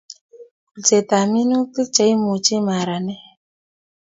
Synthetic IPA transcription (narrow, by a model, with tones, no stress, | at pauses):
t͡se˨ta˨mi˦nu˦ti˦t͡ʃa˨˦i˦mu˨t͡ʃe˦ma˨ɾa˨nɛ˦